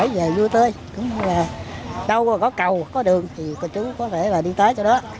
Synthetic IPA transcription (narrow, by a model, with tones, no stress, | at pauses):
jve˨˩zu˧jt̪əː˧j | kʊ̰˨˧˦ŋ͡mlaː˨˩ɗə˧wkɔ˨˦kə˨˩wkɔ˨˦ɗɨ˨˩əŋt̪ʰi˨˩t̪ɔ˧˩t͡ɕɨ˨˦ŋkɔ˨˦t̪ʰe˧˩laː˨˩ɗi˧t̪əː˨˦jt͡ɕɔ˧ɗɔ˨˦